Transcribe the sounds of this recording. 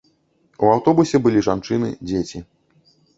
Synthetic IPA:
uawt̪ɔbusʲɛbɨlʲiʐant͡ʂɨnɨ̰d͡zʲet͡sʲi

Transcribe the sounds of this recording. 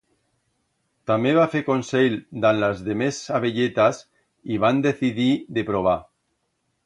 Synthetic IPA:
t̪ameβafekonsejld̪anlazðemesaβeʎet̪as | iβand̪eθiðiðepɾoβ̞a

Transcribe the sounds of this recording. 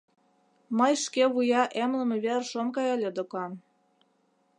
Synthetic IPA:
mɤjʃkeβujɑʔemlə̆mĕβerʃonkɑjɑlʲed̪okɑn

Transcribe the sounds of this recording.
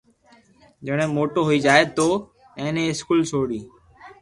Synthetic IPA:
d͡ʒeɽ̃ẽːmoːʈoːɦoiːd͡ʒaːet̪oː | ẽːnẽːɪskuːlt͡ʃʰoːɽiː

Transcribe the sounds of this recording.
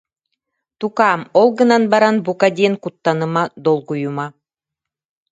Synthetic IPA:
t̪ukɑmolˠɣɤ̆nɑnbɑɾɑnbukɑd̪ʲenkut̪ːɑnɤ̆mɑd̪olˠkujumɑ

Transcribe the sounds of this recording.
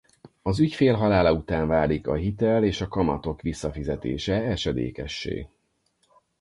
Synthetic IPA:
ɒzycfeːlɦɒlaːlɒut̪aːɱvaːlikɒ̰ɦit̪ɛleːʃɒkɒmɒ̰t̪o̞kʋisːɒfizɛt̪ḛːʃɛɛʃɛd̪ḛːkɛʃːḛː

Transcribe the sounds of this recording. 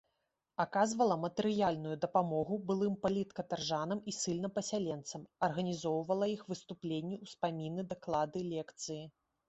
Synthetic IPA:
akazvɐlˠɐmɐt̪ɛɾɨjalʲnujud̪ɐpamɔɣubɨlˠɨmpalʲit̪kɐt̪arʐanɐmisɨlʲnɐpɐsʲalʲɛnt̪sɐmɐrɣɐnʲizɔwvɐlˠɐixvɨst̪uplʲenʲːiwspamʲinɨd̪ɐklˠad̪ɨlʲɛkt̪sɨji

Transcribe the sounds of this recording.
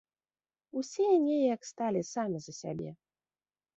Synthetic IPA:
usʲɛnʲejjakst̪alʲisamʲizɐsʲa̰bʲɛ̰

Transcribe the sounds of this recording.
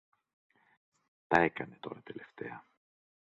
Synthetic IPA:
t̪ɐe̞kɐne̞t̪o̞ɾɐt̪ele̞ft̪e̞̰ɐ

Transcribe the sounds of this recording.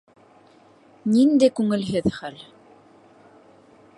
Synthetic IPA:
nind̪æjkʉŋɘ̆lɦɘðχæl

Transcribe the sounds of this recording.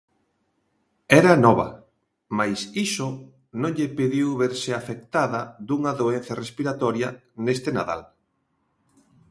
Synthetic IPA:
ɛɾanɔβɐ̰ | majsiso | nõŋʎepiðiwβeɾsɪafek̚t̪aðɐd̪uŋaðoen̟θɐrespiɾat̪ɔɾjɐ | nest̪ena̰ða̰l

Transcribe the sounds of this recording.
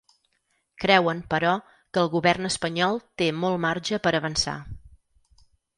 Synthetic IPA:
kɾɛwəmpəɾɔ | kəːlˠɣuβɛrnəspəɲɔlˠt̪emɔlˠmarʒəpəɾəβənsa̰

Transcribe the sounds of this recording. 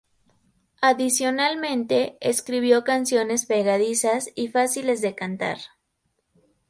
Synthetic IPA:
aðisjo̞nalmẽ̞nt̪e̞ːskɾiβ̞jo̞kansjo̞ne̞spe̞ɣaðisasifasile̞zðe̞kant̪a̰ɾ

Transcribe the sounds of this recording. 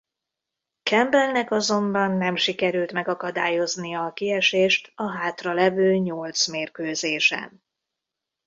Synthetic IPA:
kɛmbɛlnɛkɒzo̞mbɒnːɛmʃikɛɾylt̪mɛɡɒkɒd̪aːjo̞znijɒːkiɛʃeːʃt̪ɒɦaːt̪rɒlɛvøːɲolt̪smeːrkøːzeːʃɛ̰n

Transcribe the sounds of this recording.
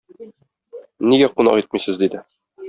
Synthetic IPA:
niɡæqunɑ̰qit̪misɘzd̪id̪ɘ

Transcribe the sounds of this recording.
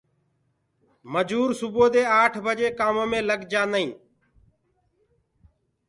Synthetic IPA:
məd͡ʒuːɾsʊboːd̪eːaːʈʰbʱəd͡ʒeːkaːmoːmẽːləɡd͡ʒãːnəĩː

